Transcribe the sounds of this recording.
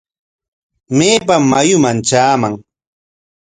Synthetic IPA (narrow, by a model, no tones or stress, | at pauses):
meːpamːajʊmant͡ʃaːmaŋ